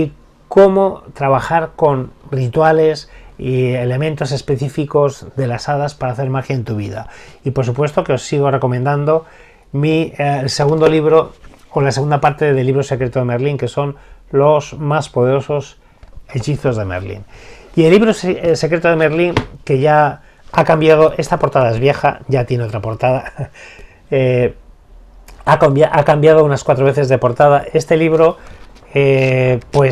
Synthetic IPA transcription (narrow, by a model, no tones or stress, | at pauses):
i | ko̞mo̞t̪ɾaβ̞axaɾko̞nrit̪wale̞siele̞mẽ̞nt̪o̞se̞spe̞θifiko̞zðe̞lasaðaspaɾaːθe̞ɾmaɾxjaent̪uβiða̰ipo̞ɾs̬upwe̞st̪o̞keo̞sːiɣ̞o̞re̞ko̞mẽnd̪and̪o̞ | mielse̞ɣũnd̪o̞liβɾoːlas̬eɣund̪apaɾt̪e̞ðeliβ̞ɾo̞se̞kɾe̞t̪oðe̞meɾliŋke̞so̞nlozmaspo̞ð̞e̞ɾo̞so̞s | e̞ʎiθo̞zðe̞mḛɾlḭnie̞lːiβɾosse̞kɾet̪oð̞emeɾliŋke̞ʝa | akambjað̞o̞ʔe̞st̪apo̞ɾt̪að̞ae̞zβje̞xa̰ʝat̪je̞neo̞t̪ɾapo̞ɾt̪aða | e | akjaʔakambjað̞ounaskwat̪ɾoβe̞θe̞zðe̞po̞ɾt̪að̞aʔe̞st̪eliβ̞ɾo̞ | epwe̞